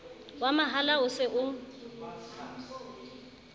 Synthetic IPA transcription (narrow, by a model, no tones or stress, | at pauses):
wamaɦalaʊsɪʔʊ